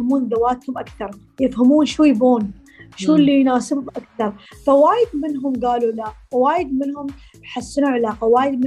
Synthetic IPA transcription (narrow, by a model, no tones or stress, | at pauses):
amuːnd̪awaːt̪hʊmʔakθɑɾˤ | jɪfhamuːnʃuːjboːn | ʃuːlːijnaːsɪbbʔakθɑɾˤfawaːjɪd̪mɪnɦʊmɡaːlulawaːjɪd̪̚mɪnhʊm | ħasːɪnuʕalaːqawaːjɪd̪mɪ